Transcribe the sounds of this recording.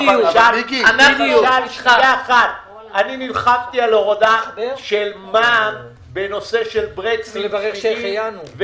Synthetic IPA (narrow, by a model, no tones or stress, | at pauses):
aɡanaɡalʃjaχat̪̚ | aninilχavt̪ialoʁod̪aʃelmam | beno̞se̞ʃelbʁet͡siʁejanuv